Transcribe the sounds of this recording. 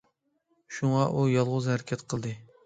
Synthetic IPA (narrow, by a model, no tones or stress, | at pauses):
ʃuŋɑʔujɑlˠʁʊzhæɾɪkʲʰɛt̪qʰəlˠd̪ɨ